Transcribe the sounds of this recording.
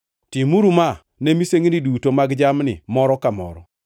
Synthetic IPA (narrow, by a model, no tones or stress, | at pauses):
timuɾuma | nemiseŋnidutomaɡd͡ʒamnɪ̰mɔɾɔkamɔ̰ɾɔ